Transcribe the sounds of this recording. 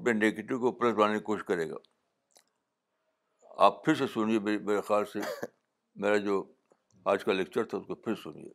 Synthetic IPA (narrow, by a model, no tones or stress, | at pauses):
peneːkʈikopɾesɾaːnekoːʃkɐɾeːɡa̰ː | a̰ːppʰɪɾsesʊniememeːɾexaːlse | meːɾad͡ʒoː | aːd͡ʒkalek̚t͡ʃəɾt̪ʰaʊskopʰɪɾsʊnḭḛː